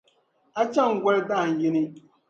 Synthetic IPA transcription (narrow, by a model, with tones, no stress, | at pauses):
a˦t͡ʃa˦˨ŋ̩˨ɡʷɛ˦lda˦˨ŋ̩˨ji˦ni˦